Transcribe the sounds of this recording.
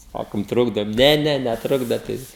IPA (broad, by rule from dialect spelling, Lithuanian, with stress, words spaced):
ˈsɑːkoːm ˈtrʊɡdoːm ˈnʲɛ ˈnʲɛ nʲɛˈtrʊɡdɐt ˈtɐɪ